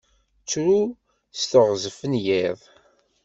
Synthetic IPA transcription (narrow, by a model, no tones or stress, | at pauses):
t͡sːɾu | st̪əʁzəfənjɪðˤ